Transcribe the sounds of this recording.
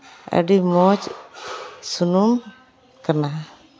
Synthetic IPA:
ə̰ɖimɔt͡ʃ | sunum | kana

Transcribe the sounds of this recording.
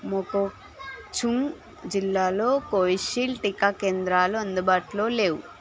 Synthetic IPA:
moko | t͡ʃuŋ | d͡ʒilːaːlo̞ːkoːjiʃiːlʈikaːkeːnd̪ɾaːluɐnd̪ubaːʈloːle̞ːwu

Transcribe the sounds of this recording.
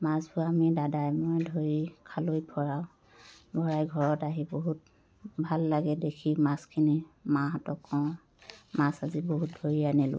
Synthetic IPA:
masbʊamidadajmojdʱoɹikʰalojbʰʱɔɹaw | bʱɔɹajɡʱɔɹɔtaɦiboɦut̚ | bʱalːaɡɛdekʰimaskʰinimaɦatɔkːɔw̃ | masaziboɦut̚dʱoɹianɛlʊ̰

